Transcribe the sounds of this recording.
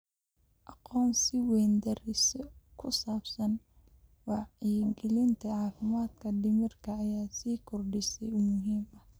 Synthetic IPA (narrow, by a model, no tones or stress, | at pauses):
ʔɑqɔːnsɪwɛːnd̪ɐɾɪsɔkʰʊsaːbsɐn | wɑʕiːɡɛlɪnt̪ʰɐʕɑːfɪmaːd̪kʰɐɖɪmɪrkʰɐːjaːsiːkʰʊrɖɪsɛjʊmʊɦiːmɐ